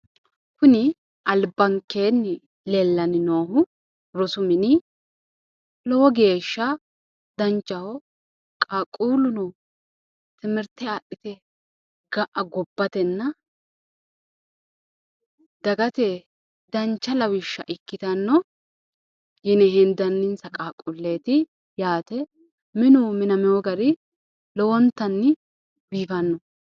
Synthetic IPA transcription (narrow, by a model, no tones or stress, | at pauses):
kʊnɪ | ʔɐlbɐŋkːeːnːɪ | lɛlːɐnɪnoːɦʊ | ɾɔsʊmɪnɪ | lɔwɔɡe̞ːʃːɐ | d̪ɐnt͡ʃːɐhɔ | kʼakʼːuːlʊnɔ | t̪ɪmɪɾt̪ɛaːʔɪt̪ɛ | ɡɐʔɐɡɔbːɐt̪ɛnːɐ | d̪̥ɐɡɐt̪e | d̪ɐnt͡ʃːɐlɐwɪʃːɐ̰ʔɪkːɪt̪ɐnːɔ | jɪnɛɦɛnd̪ɐnːɪnsɐkʼaːkʼːʊlːeːt̪ɪ | jaːt̪ɛ | mɪnʊmɪnɐmɛwɔɡɐɾɪ | lɔwɔnt̪ːɐnːɪ | biːfɐnːɔ